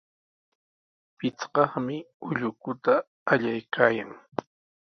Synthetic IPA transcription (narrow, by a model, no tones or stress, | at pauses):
pɪt͡sɢɑχmɪʊʎʊkʊt̪aː | ʎajkʰaːjaŋ